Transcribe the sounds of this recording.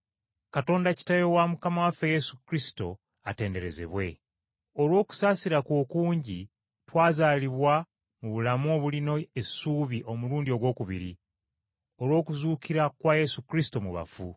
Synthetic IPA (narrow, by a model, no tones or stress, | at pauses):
kato̞ːndaci̥tajo̞wamukamawafeje̞sukɾisi̥to̞̰ | ate̞ːnde̞ɾe̞ze̞̰βwe̞ | o̞lwo̞ːku̥saːsiɾakwo̞ːkuːɲɟi | twaːzaːliβwa | muβulamoβulino̞esuːβiʔo̞muluːndio̞βwo̞ːkuβḭɾi | o̞lwo̞ːkuzuːkiɾakwaje̞sukɾisi̥to̞muβa̰fu